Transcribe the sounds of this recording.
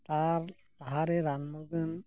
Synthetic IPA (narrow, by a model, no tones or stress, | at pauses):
t̪aɾ | t̪aɦaɾeɾanmuɡən